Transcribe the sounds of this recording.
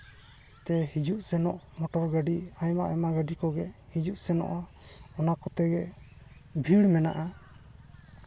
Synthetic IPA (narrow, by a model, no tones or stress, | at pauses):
t̪ɛhid͡ʒuʔsɛnɔʔ | mɔʈɔɾɡaɖiajmaʔɛmaɡaɖikɔɡɛhid͡ʒuʔsɛnɔ̰ʔa | ɔnakɔt̪ɛɡɛ | bʱiɽmɛna̰ʔa